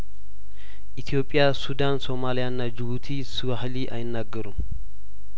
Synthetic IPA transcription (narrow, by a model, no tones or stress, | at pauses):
ʔit̪ʰijo̞pʼːɪjasud̪anso̞malijanːad͡ʒɪβut̪ʰisɨwahliʔajɪnːaɡːəɾum